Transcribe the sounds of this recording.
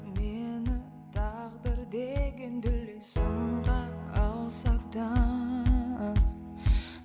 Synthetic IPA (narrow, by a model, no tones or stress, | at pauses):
menɪ | t̪ʰɑʁd̪əɾd̪eɡʲend̪ɪlːesəɴʁɑɑlˠsɑɾt̪ɑ